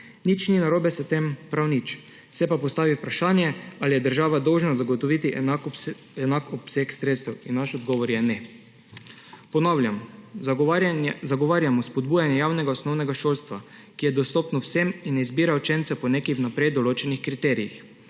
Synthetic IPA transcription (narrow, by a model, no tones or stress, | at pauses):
nit͡ʃninaɾoːbɛsɛt̪empɾawnit͡ʃ | sɛpapɔst̪aːʋiupɾaʃaːnjɛalijɛd̪əɾʒaːʋad̪ɔwʒnazaɡɔt̪ɔʋit̪i | ɛnakɔpseksɾet̪st̪ɛwinːaʃɔd̪ɡɔːʋɔɾjɛnɛ | pɔnɔwljam | zaɡɔʋaːɾjamɔspɔd̪̚buːjanjɛjaːwnɛɡaɔsnɔwnɛɡaʃoːlst̪ʋa | kijɛd̪ɔst̪ɔːpnɔwseminːɛizbiːɾawt͡ʃent̪sɛpɔnekɛwnapɾejd̪ɔloːt͡ʃɛnixkɾit̪ɛːɾijix